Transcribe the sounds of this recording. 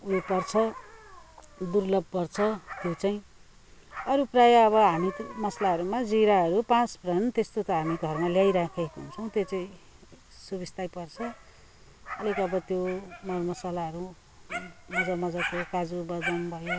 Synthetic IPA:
uipʌrt͡sʰʌ | d̪urlʌb̚ʱpʌrt͡sʰʌt̪jot͡saĩ | ʌɾuprajʌːβʌɦamimʌslaɦʌɾumad͡ziɾaɦʌɾupãt͡sbrʌnt̪est̪ot̪ʌɦamiɡʱʌrmaljajɾakʰekoɦunt͡sʰʌw̃t̪jot͡saĩ | subist̪ajpʌrt͡sʰʌ | ʌlikʌbʌt̪jomʌrmʌsalaɦʌɾu | mʌd͡zamʌd͡zak̪okad͡zubʌɡ̪ʌnbʱʌjo

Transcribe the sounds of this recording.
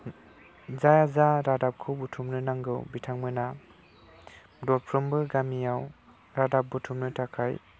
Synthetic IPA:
zajazaɾadap̚kʰɯwbutʰumnɯnaŋɡɯwbitʰaŋmɯna | dɔl̚pʰɾɯmbɯɡamijaw | ɾadap̚butʰumnɯtʰakʰaj

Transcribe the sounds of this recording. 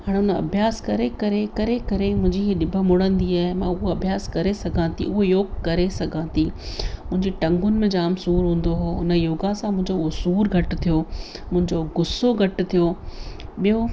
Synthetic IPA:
ɦaːɽ̃eʊnəɐ̰bʱjaːskɐɾekɐɾekɐɾekɐɾemʊ̃ɦɪ̃ɲd͡ʑiɦɗɪbʱəmʊɽ̤ə̃nd̪iaːɦɪmãːʊɦoɐbʱjaːskɐɾesɐɡʱãt̪ʰḭʊɦojoːɡkɐɾesɐɡʱãːt̪imʊ̃ɦɪ̃ɲd͡ʑiʈɐ̃ŋɡʊnɪ̆mẽd͡ʑaːmsuːɾɦũːn̆d̪oɦoːʊnəjoːɡasãmʊ̃ɦɪ̃ɲd͡ʑoɦosuːɾɡʱɐʈt̪ʰijoː | mʊ̃ɦɪ̃ɲd͡ʑoɡʊsoɡʱɐʈt̪ʰijoːɓijo

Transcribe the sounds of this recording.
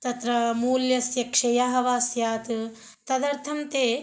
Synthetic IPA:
t̪ɐt̪ɾɐmuːljɐsjɐkʂɐjaɦɐʋaːsjaːt̪ɨ | t̪ɐd̪ɐɾt̪ʰɐmt̪eː

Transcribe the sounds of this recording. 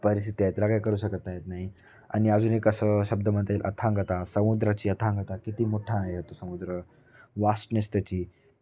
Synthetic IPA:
pəɾist̪ʰit̪aet̪ɾakajkəɾuːɕəkət̪aɦet̪naɦi | a̰ñiad͡zunekəsəːɕəb̚d̪əməɳt̪eːlʔə̰t̪ʰãŋɡʱət̪asəmud̪ɾat͡ɕiːət̪ʰãŋɡʱət̪akit̪iːmoʈʰãɦeɦət̪osəmud̪ɾə | ʋasʈnəst̪ət͡ɕiː

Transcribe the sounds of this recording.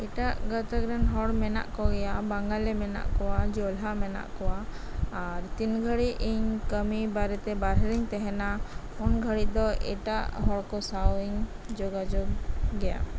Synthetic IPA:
ɛʈaʔɡat̪aɡɾanɦɔɽmɛna̰ʔkɔɡɛjabaŋɡalɛmɛna̰ʔkɔwad͡ʒɔlɦamɛna̰ʔkɔwaː | ɾt̪inɡʱəɽiiɲkəmibaɾɛt̪ɛbaɾɦɾiɲt̪ɛɦɛna | ɔnɡʱəɽid̪ɔɛ̰ʈaʔɦɔɽkɔsawiɲ | d͡ʒɔɡad͡ʒoɡːɛja̰

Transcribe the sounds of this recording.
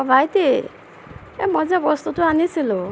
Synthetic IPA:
ɔbʱajt̪e | ḛmɔd͡zabɔst̪ut̪uanisilo

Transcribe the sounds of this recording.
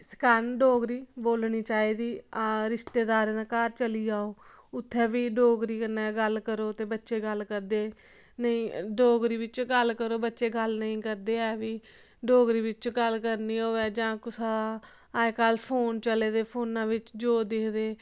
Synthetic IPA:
skanɖoːɡɾiːboːlniːt͡ʃaːiːd̪iːɾɪʃt̪eːd̪aːɾẽːd̪ãːkaːɾt͡ʃəliːaːoː | ʊt̪ʰːɛːʋiːɖoːɡɾiːkənːɛːɡəlkəɾoːt̪eːbətːʃeːɡəlkəɾd̪eː | nəĩːɖoːɡɾiːʋɪt͡ʃɡəlkəɾoːbətːʃeːɡəlnəĩːkəɾd̪eːɛːʋiː | ɖoːɡɾiːʋɪt͡ʃɡəlkəɾniːoːɛːd͡ʒãːkʊsãaː | kaːlpʰoːnt͡ʃəleːd̪eːpʰoːnãːʋɪt͡ʃd͡ʒoːd̪eːkʰd̪eː

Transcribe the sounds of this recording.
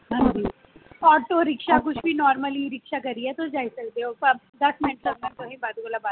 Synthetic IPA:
ɦə̃nd͡ʒiː | ɔːɾt̪oːɾɪkʃak̬ʊt͡ʃʰbiːnɔːɾməliɾɪkʃakəɾiɛt̪od͡ʒaːisəkd̪eɦoːpə | d̪ɐsmɪnəʈləɡmənt̪oɦẽːbaːd̪ɡoːlaba

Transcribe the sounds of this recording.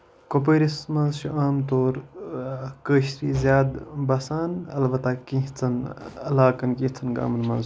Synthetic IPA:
kop̬əːɾismɐ̃nzʃuʔaːmt̪oːɾ | kəːʃɾiːzjaːd̪bɐsaːnɐlbɐt̪akĩɦt͡sʰɐnɐlaːkɐnkĩːht͡sʰɐnɡa̰ːmɐnmɐ̰̃nz

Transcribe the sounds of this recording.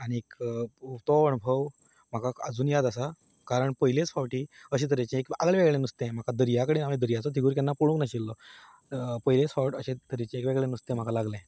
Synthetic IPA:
aɽ̃iekut̪ɔəɳbʱəʋ | m̤akaəd͡zuːnjad̪asa | kaɾəɳpəjilet͡sfaʋʈiːəɕ̬ẽt̪̬əɾet͡ɕẽeka̰ɡɭeʋeɡɭenust̪ẽm̤akad̪əɾijakəɽenamid̪əɾjat͡sɔt̪ʰiɡuːɾk̪̬janːapuɽũknaɕilːɔ | pəilet͡sfawʈəɕet̪əɾet͡ɕẽekʋeɡɭenust̪ẽm̤akalaɡlẽ

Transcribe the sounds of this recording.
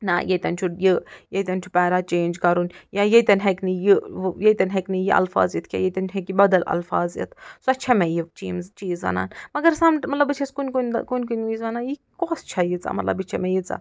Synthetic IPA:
na̰jɐt̪ɐnʲt͡ʃʰujɨjɐjt̪ʲɐnʲt͡ʃʰu̥pɛːɾaːt͡ʃeːnʲd͡ʒkɐɾunʲjajɐt̪ɐnʲɦɐknɨjijet̪ɐnʲɦɐknɨjiʔɐ̰lfa̰ːzit̪ʰkʲja̰jɐt̪ɐnɦekibɐd̪ɐlɐ̰lfaːzjḭt̪ʰsuɐt͡ʃʰɐmʲɛjit͡ʃiːmzt͡ʃiːzʋɐ̰na̰ːnmɐɡɐɾsɐmʈmɐt̪lɐbɨt͡ʃʰɐskunʲkunʲkunʲkunʲiːzʋɐnaːji | koːst͡ʃʰɐjit͡sa̰mɐt̪lɐ̰bɨt͡ʃʰɐmɛjit͡sa̰

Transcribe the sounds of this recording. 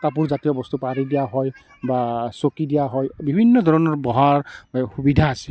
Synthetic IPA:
tapuɹzatijɔbɔst̪upaɹidijaɦɔj | basokidijaɦɔjbibʱinːɔdʱɔɹɔnɔɹbɔɦaɹxubidʱaːsi

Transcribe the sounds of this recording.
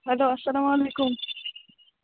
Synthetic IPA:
ɦɐloːɐsːɐlaːmaleːkʊm

